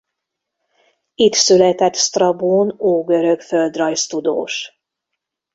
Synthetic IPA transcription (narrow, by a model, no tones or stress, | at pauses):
it̪sylɛt̪ɛt̪st̪rɒbuːnoːɡø̞ɾøɡføld̪rɒjst̪ud̪o̰ːʃ